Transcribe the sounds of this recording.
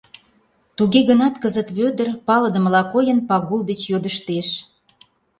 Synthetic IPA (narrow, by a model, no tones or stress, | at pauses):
t̪uɣeɣənɑt̪kəzət̪βød̪ərpɑlə̆d̪əmlɑkojənpɑɣuld̪et͡ɕjod̪əʃt̪eʃ